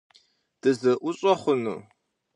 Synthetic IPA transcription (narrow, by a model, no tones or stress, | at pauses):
d̥ɨzɨʔʷʊɕʼɔχʷʊnṵː